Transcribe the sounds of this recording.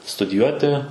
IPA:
stʊdʲɪˈjuɔtʲɪ

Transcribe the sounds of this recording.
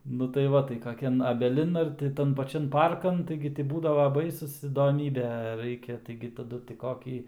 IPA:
nʊ tɐɪ ˈʋɐ tɐɪ kɐˈkʲɛn ɐbʲɛˈlʲɪn ɐr tʲɪ ˈtɐn pɐˈt͡ʃʲɛn ˈpɐrkɐn ˈtɐɪɡʲɪ ɡʲɪ tʲɪ ˈbuːdɐʋɐ ˈbɐɪsʊs iːdoːˈmʲiːbʲeː ˈrɐɪkʲɛ tɐɪɡʲɪ tɐˈdʊ tʲɪ ˈkoːkʲiː

